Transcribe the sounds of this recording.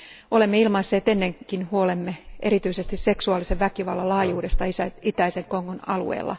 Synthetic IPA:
o̞le̞mːeilmɑisːeːt̪e̞nːeŋkinhuolemːeʔe̞ɾit̪yisest̪isseksuɑːliseʋʋækiʋɑlːɑlɑːjuːdest̪ɑisæit̪æiseŋkoŋːonɑ̰lṵḛːlːɑ̰

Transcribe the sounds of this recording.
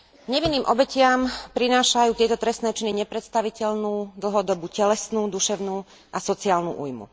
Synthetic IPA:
ɡɲɛʋinːiːmʔɔbɛcɪampɾinaːʃajuːt̪ɪɛt̪ɔt̪ɾɛsnɛːt͡ʃiniɲɛpɾɛt̪st̪aʋicɛlnuːd̪l̩ɦɔd̪ɔbucɛlɛsnuːd̪uʃɛʊnuː | ʔasɔt͡siaːlnṵːʔṵːjmṵ

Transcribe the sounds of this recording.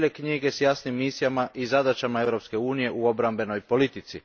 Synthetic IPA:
ʎekɲiɡe̞sjasnimːisijamaʔizad̪at͡ʃamae̞vɾo̞pske̞uːnije̞ʔuo̞bɾambe̞no̞jpo̞lit̪it̪si

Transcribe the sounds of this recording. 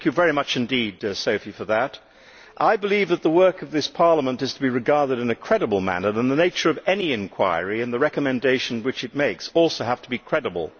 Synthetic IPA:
kjɨvɛɹimʌt͡ʃɨ̃ndidsoʊfifə˞ðɨɾ | ʔaɪbəlivðət̪̚ðəwɜ˞kʌvðɪspʰɑɹlˠəmə̃ntɨz̥tʰəbiɹɨɡɑɹðɨɾɨ̃nɨkʰɹ̥ɛɾəbl̩ˠmæ̰nə˞ɨ̃nðəneɪt͡ʃə˞ʌvɛniɨ̃nkʰw̥a̰ɪəɹiɨ̃nðəɹɛkɨmɨ̃ndeɪʃn̩wɨt͡ʃɨt̚meɪksɔlˠsoʊhæftʰəbikʰɹ̥ɛɾəbə̰l̩ˠ

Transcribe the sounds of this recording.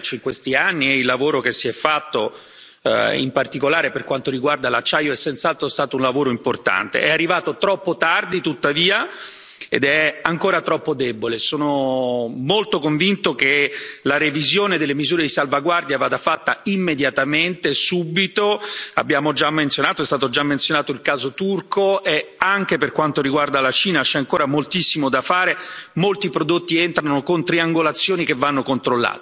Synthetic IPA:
t͡ʃoiŋkwest̪ianːiɛilːavoːɾokesːiɛfːat̪ːo | ḭmpart̪ikolaːɾeperkwant̪oɾiɡward̪alat͡ʃːaːjoɛsːɛnt̪salt̪ɾoɛst̪aːt̪ounlavoːɾoimport̪a̰nt̪ḛʔɛarːivaːt̪ot̪ɾɔpːot̪ard̪it̪ut̪ːaviːa | ḛd̪ɛaŋkoːɾat̪ɾɔpːod̪ɛbolesoːno | molt̪okoɱvint̪okelaɾevizjoːned̪elːemizuːɾed̪isalvaɡward̪javaːd̪afat̪ːaimːed̪jat̪ament̪esubit̪oa̰bːjaːmod͡ʒamːent̪sjonaːt̪oɛst̪aːt̪od͡ʒamːent̪sjonaːt̪oilkaːzot̪urkoeaŋk̟eperkwant̪oɾiɡward̪alat͡ʃiːnat͡ʃɛaŋkoːɾamolt̪isːimod̪afaːɾemolt̪ipɾod̪ot̪ːient̪ɾanokont̪ɾiaŋɡolat̪sːjoːnik̟evːanːokont̪ɾolːa̰ːt̪e

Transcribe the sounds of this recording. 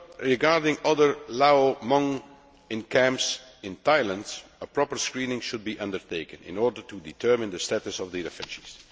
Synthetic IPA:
ɹɪɡaɹdɪ̃ŋʌðəɹlaomʌ̃ŋ | ɪ̃nkʰæ̃mpsɪ̃ntaɪlˠə̃ndsəpɹɔpəɹskɹĩːnɪ̃ŋʃʊd̚biʔʌ̃ndəɹtʰeɪkɨ̃nɪ̰̃nɔɹdə˞tuditʰɜ˞mɪ̃ndəstætəsɔvðiɪfɪʃiz̥

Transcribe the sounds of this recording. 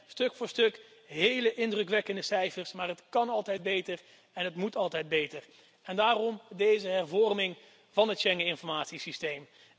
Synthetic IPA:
stɵkfʊːɹstɵkɦejləʔɪndrɵkʋɛkəndəsɛjfəɹsmaːɹɦətkɑnɑlˠtɛjd̚bejtər | ɛnɦətmutɑlˠtɛjd̚bejtər | ɛndaːrɔmdejzəɦɛrvɔrmɪŋ | vɑnətʃɛŋəɪnfɔɹmaːtsisistejm

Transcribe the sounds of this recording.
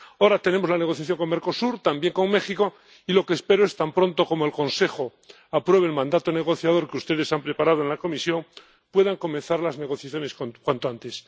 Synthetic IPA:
oɾat̪e̞ne̞mo̞zlane̞ɣ̞o̞θjaθjo̞ŋko̞ŋme̞ɾko̞suɾt̪ambje̞ŋko̞ŋme̞xiko̞ | ilo̞keːspe̞ɾoe̞st̪ampɾõ̞nt̪o̞ko̞moelko̞nse̞χo̞ | apɾwe̞β̞elmãnd̪at̪o̞ne̞ɣ̞o̞θjaðo̞ɾkeust̪e̞ðe̞sampɾe̞paɾað̞oe̞nlako̞misjo̞ŋ | pwe̞ðaŋko̞mẽnθaɾlazne̞ɣ̞o̞θjaθjo̞ne̞skokwant̪oant̪e̞s

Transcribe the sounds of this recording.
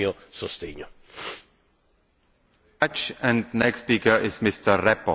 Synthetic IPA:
o | sost̪eɲo | t͡ʃə̃ndnɛkspikə˞ʔɪzmɪstə˞ɹɛpə̰

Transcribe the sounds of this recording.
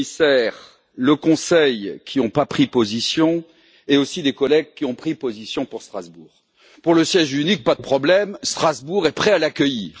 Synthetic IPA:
isɛʁ | ləkɔ̃sɛjkʲʰiɔ̃papχipozisjɔ̃ | eosid̪ekɔlɛɡ̚kʲiɔ̃pχipozisjɔ̃puʁst̪χazbuːʁ | puʁləsjɛʒynik̚pad̪əpχɔblɛmst̪χazbuʁɛpχɛalakʲəjiːʁ

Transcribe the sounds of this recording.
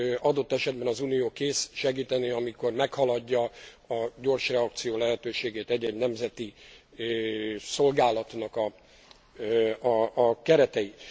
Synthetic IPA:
ɒd̪o̞t̪ːɛʃɛd̪̚bɛnɒzuːnijoːkeːsʃɛɡiːt̪ɛniɒmiko̞rmɛkhɒlɒɟːɒ | ɒɟo̞rʃrɛɒk̚t̪sijoːlɛɦɛt̪øːʃeːɡeːt̪ɛɟːɛɟnɛmzɛt̪i | so̞lɡaːlɒt̪nɒkɒ | ɒːkɛɾɛt̪ɛji

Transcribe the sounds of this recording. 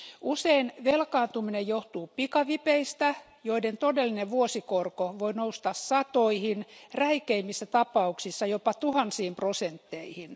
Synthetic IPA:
ʔuseinʋelkɑːnt̪uminejjoht̪uːpikɑʋipeist̪æ | joident̪odelːineʋʋuosikorkoʋoinoust̪ɑssɑt̪oihinræikeimːisːæt̪ɑpɑuksisːɑjopɑt̪uhɑnsiːmprosent̪ːeihin

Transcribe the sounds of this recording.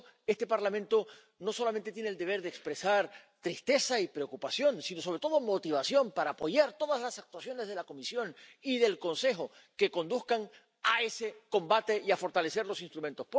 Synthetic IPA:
e̞st̪e̞paɾlamẽnt̪o̞ | no̞so̞lament̪e̞t̪jeneld̪e̞β̞e̞ɾðeːkspɾe̞saɾt̪ɾist̪e̞saipɾe̞o̞kupasjo̞nsino̞s̬o̞β̞ɾe̞t̪o̞ðo̞mo̞t̪iβ̞asjo̞mpaɾaːpo̞ʝaɾt̪o̞ðazlasak̚t̪wasjo̞ne̞zð̞e̞lako̞misjo̞niðe̞lko̞nse̞xo̞ | ke̞ko̞nd̪uskaŋ | ae̞se̞ko̞mbat̪e̞iafo̞ɾt̪ale̞se̞ɾlo̞sinst̪ɾument̪o̞sp

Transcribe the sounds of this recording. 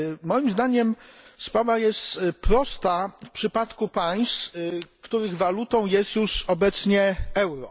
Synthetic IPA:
mɔjimzd̪aɲɛmspɾavajɛst̪pɾɔst̪afpʂɘpat̪kupaj̃st̪kt̪uɾɘɣvalut̪ɔ̃w̃jɛst̪juʂɔbɛt̪sɲɛɛwɾɔ

